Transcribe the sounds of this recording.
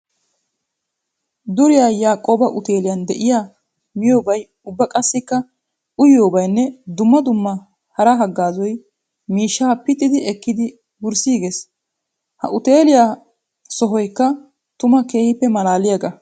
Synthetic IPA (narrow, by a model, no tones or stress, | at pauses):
d̪ʊɾɪjaːjaːkʼːoːbɐʔʊt̪e̞ːlɪjɐnd̪ɛʔɪjaː | mɪjo̞ːbɐj | ʊbːɐkʼɐsːɪkːɐ | ʔʊjjo̞ːbɐjnːɛd̪ʊmːɐd̪ʊmːɐ | hɐɾɐɦɐɡːaːzɔj | miːʃːaːpɪt̪ʼːɪd̪ɪɛkːɪd̪ɪ | bʊɾsiːɡes | hɐ̰ʔʊt̪eːlɪja | sɔɦɔjkːɐ | t̪ʊmɐke̞ːhɪpːɛmɐlaːlɪjɐɡɐ